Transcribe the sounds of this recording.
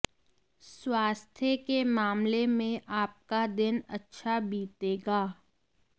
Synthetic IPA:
swaːst̪ʰjəkemaːmlemẽʔaːp̚kad̪ɪnɐtːʃʰabiːt̪eːɡaː

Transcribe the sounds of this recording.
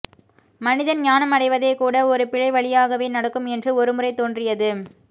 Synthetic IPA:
mɐnɪðɐnɲaːnɐmɐɽɐɪʋɐðeːkuːɽɐɔɾɯpɪɻɐɪʋɐɭɪjaːɣɐʋeːnɐɽɐkːɯmɛndrɯɔɾɯmɯrɐɪt̪oːndrɪjɐðɯ

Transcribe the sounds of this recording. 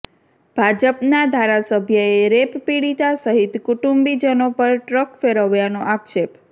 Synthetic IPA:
b̥ʱad͡ʒəpnad̪ʱaɾasəbʱjəeɾeppiɽit̪asəɦit̪kuʈumbid͡ʒənopəɾʈɾəkfeɾəʋjanoʔakʃep

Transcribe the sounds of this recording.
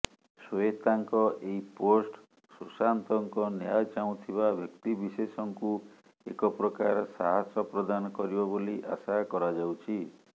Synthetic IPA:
soet̪aŋkɔʔeiposʈ | susant̪ɔŋkɔnjat͡ʃaw̃t̪ʰiβabʱjɔkt̪ibisesɔŋku | ekɔpɾɔkaɾsaɦasɔpɾɔd̪anɔkɔɾibɔboliʔasakɔɾad͡ʒawt͡ʃʰi

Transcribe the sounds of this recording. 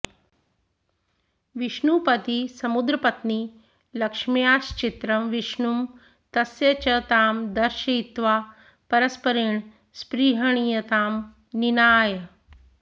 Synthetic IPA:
ʋiʃɳupɐt̪isɐmud̪ɾɐpɐt̪ni | lɐkʂmijaːʃt͡ʃit̪ɾɐmʋiʃɳum | t̪ɐsjɐt͡ʃɐt̪aːmd̪ɐɾʃɐit̪ʋaː | pɐɾɐspɐɾiɳ | spɾiːɦɐɳ̃ijɐt̪aːm | ninaːjɐ

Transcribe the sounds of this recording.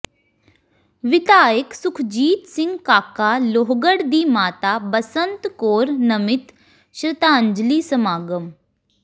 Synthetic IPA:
ʋɪt̪aːjəksʊkʰd͡ʒiːt̪sɪ̃ŋɡkaːkaːloːɦɡəɽd̪iːmaːt̪aːbəsənt̪koːɾnəmɪt̪ | ʃɾɪt̪aːɲd͡ʒliːsəmaːɡəm

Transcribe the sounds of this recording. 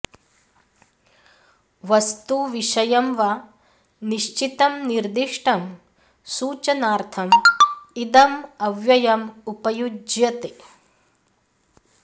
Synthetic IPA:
ʋɐst̪uʋiʂɐjɐmʋa | niʃt͡ʃit̪ɐmniɾd̪iʂʈʰɐm | suːt͡ʃɐnaːɾt̪ʰɐmid̪ɐmɐʋjɐjɐmupɐjud͡ʒjɐt̪e

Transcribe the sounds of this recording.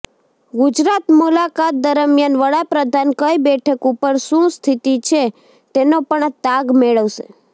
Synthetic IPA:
ɡʊd͡ʒɾat̪mulakat̪̚d̪əɾəmjanʋəɽapɾəd̪ʱankəibɛʈʰəkupəɾʃũst̪ʰit̪it͡ʃʰe | t̪enopəɳt̪aɡmeɭəʋsḛ

